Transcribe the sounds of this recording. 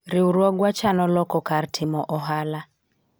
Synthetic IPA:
ɾɪuɾwɔɡwat͡ʃanɔlɔkɔkaɾtʰɪmɔʔɔɦala

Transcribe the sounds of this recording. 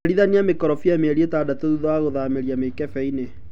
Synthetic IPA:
ɾiðaniamekɔɾɔfiameɛɾietaːdatoðuðaaɣoðameɾiamekɛfɛine

